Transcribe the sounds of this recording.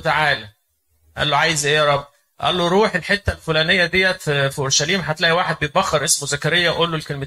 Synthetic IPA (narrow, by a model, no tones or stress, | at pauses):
t̪aʕaːlæ | ʔæ̰lːoʕajezʔeæɾˤɑbː | ʔæ̰lːoɾˤuːħelħet̪ːælfolæːnejːæd̪ejːæffiʔoɾʃæliːmħat̪læːʔiwaːħed̪̚bejet̪̚bæxːɑɾˤʔesmozækæɾejːæʔolːolkelme